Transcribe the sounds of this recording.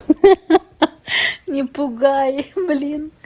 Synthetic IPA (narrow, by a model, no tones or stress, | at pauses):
ɲʲipuɡajblʲin